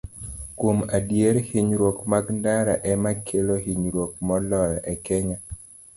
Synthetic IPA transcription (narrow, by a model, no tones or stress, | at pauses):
kwomadjeɾhiɲɾwokmaɡndaɾa̰ʔɛmakʰeloɦiɲɾwok̚mɔlɔjɔʔɛkɛɲa